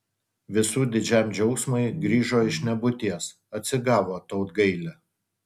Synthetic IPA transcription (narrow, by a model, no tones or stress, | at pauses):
ʋʲɪsuːd̪ʲɪd͡ʒʲæˑmd͡ʒʲɛʊksmɐɪɡɾʲiːʒoːɪʃnʲɛbʊt̪ʲiɛs | ɐt̪ʲsʲɪɡɑːʋoːt̪ɐʊt̪ɡɐɪlʲɛ